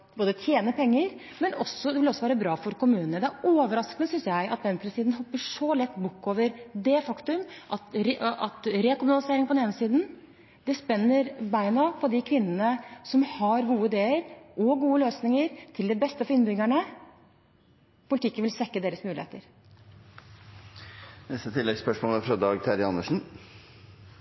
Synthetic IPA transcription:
boːd̪ət̪ʰjeːnəpʰɛŋːəɾ | mɛnɔsɔd̪ɛʋɪlɔsːɔʋæːɾəbɾɑːfɔɾkʊmʉːnənəd̪ɛæɾoːʋəɾɑskənəsʏnsjæɪʔɑt̪̚bɛnpʰɾɛsɪd̪nhɔpːəʂɔlɛt̪ːbʊkːoːʋəɾd̪ɛfɑkt̪ʉmʔɑt̪ɾɑt̪ɾekʊmʉnɑlɪseːɾɪŋpɔd̪neːnəsiːd̪n | d̪̥ɛspɛnːəɾbæɪnɑpʰɔd̪ɪkʰʋɪnːənəsɔmhɑɾɡuːəɪd̪eːəɾʔɔɡuːəløːsnɪŋəɾt̪ʰɪld̪ɛbɛst̪əfɔɪnbʏɡæɳə | pʰʊlɪt̪ɪkːənʋɪlsʋɛkːəd̪eːɾəsmʉːlɪ̰ḛːt̪əɾ | nɛst̪ət̪ʰɪlːɛɡspœʂmoːləæfɾɑd̪ɑːɡt̪ʰæɾɪɑnːəʂn̩

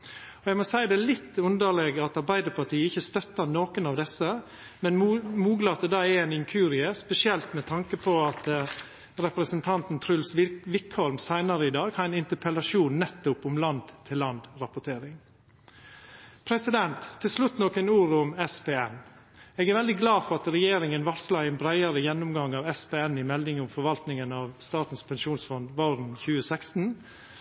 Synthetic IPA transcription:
ɔɛɡmɔsæɪd̪ɛːlɪt̪ːʉnd̪əɭɛːɡɑt̪ɑɾbæɪd̪əpʰɑʈʰiːəɪçːəst̪œt̪ːəɾnoːkənɑʋd̪ɛsə | mɛnmuːɡləɑt̪̚d̪ɛːd̪ɑːɛɛnɪŋkʰʉːɾɪəspɛsɪɛlt̪mɛt̪ʰɑŋkəpʰɔɑt̪ | ɾɛpɾəsənt̪ʰɑnt̪n̩t̪ʰɾʉlsʋɪkhɔlmsæɪnəɾəɪd̪ɑːɡhɑæɪnɪnt̪əpʰɛlɑʂuːnːɛt̪ːʊpʊmlɑnd̪t̪ʰːɪlːɑnd̪ɾɑpʊʈ̪ʰeːɾɪŋ | pʰɾɛsɪd̪ɛnt̪ʰːɪlslʉt̪nɔkənuːɾʊmɛspeːɛn | eːɡæɾʋɛld̪ɪɡlɑːfɔɾɑt̪ɾɛjeːɾɪŋənʋɑslɑɪɛnbɾæɪəɾəjɛnːʊmɡɑŋːɑːʋɛspeːɛnːɪmɛld̪ɪŋʊmfɔɾʋɑlt̪nɪŋənɑʋst̪ɑːt̪n̩spʰɛnʃuːnsfɔnd̪ʋoːɾnçʉːəsækst̪n̩

